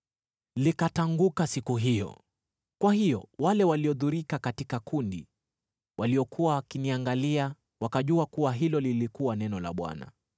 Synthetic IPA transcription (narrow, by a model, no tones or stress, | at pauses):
likataŋɡukasikuɦijɔ̰ | kwahijɔwalɛwaliɔðuɾikakatikakʰundi | wʔaliɔkʰuwawakiniaŋɡalia | wakaʄuakuwaɦilɔlilikuwanɛnɔla̰ɓwa̰na̰